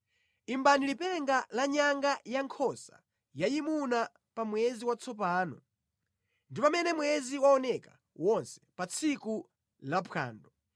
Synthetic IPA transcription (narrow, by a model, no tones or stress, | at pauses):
imbanilipɛŋɡalaɲaŋɡajaŋkʰɔsa̰ | jajimuna | pamwɛziwat͡sɔp̬aːnɔ̰ | ndipamɛnɛmwɛziwaɔnɛka | wɔnsɛ̥pat͡sʰiku | lapʰa̰ːndɔ